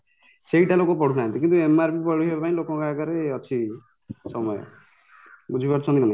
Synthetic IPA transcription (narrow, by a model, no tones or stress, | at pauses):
seɦiʈalokɔp̬ɔɽunant̪ikint̪uemaɾpipɔɽ̤iɦʰebapaĩlokɔ̃kakaɾeʌt͡ʃʰi | sɔmɔjɔ̰ | bud͡ʒʱibaʈsʰɔ̃d̪inana